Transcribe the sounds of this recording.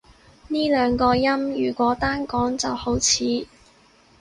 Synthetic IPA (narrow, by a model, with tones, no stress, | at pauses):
niː˥lœː˨˧ŋkɔː˧jɐ˥mjyː˨˩kʷɔː˨˥t̪aː˥nkɔː˨˥ŋt͡sɐ˨who˨˥wt͡sʰiː˨˧